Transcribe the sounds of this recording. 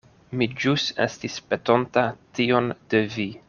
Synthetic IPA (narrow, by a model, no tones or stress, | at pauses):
mid͡ʒusḛstispeto̞ntatio̞nd̥evi